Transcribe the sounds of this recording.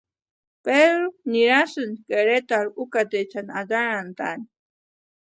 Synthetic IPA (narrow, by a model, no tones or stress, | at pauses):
pedɾuniɾasunkeɾet̪aɾukat̪et͡sʰanad̪aɾant̪a̰ni